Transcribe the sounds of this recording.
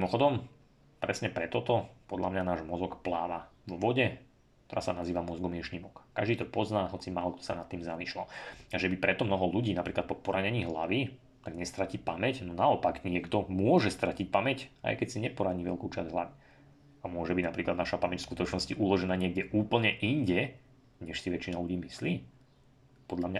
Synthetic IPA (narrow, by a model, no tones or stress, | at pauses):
mimɔxɔd̪ɔm | pɾɛsɲɛpɾɛt̪ɔt̪ɔpɔd̪lʎamɲanaːʒmɔzɔkplaːʋaʋʋɔɟɛ | t̪ɔɾa̰ːsanaziːʋamɔzɡɔmɪɛʃɲiːmɔkːaʒd̪iːt̪ɔpɔznaːɦɔt͡simaːlɔkt̪ɔ̥sa̰nat̪ːiːmzamiʃlaaʒɛbipɾɛt̪ɔmnɔɦɔluɟiːnapɾiːklat̪pɔpɔɾaɲɛɲiːɦla̰ʋi | t̪aɡɲɛst̪ɾaciːpamɛcnɔnaɔpaɡɲɪɛɡt̪ɔmʊɔʒɛst̪ɾacic̚pamɛca̰jkɛcsiɲɛpɔɾaɲiːʋɛ̰lkuːt͡ʃa̰zɦlˠa̰ʋi | amʊɔʒɛbiɟnapɾiːklad̪naʃapamɛcskut̪ɔt͡ʃnɔsciʔulɔʒɛnaːɲɪɛɡɟɛʔuːpl̩ɲɛʔiɲɟɛ | ɲɛʃsiʋɛt͡ʃinaluɟiːmisliː | pɔd̪ʎamɲa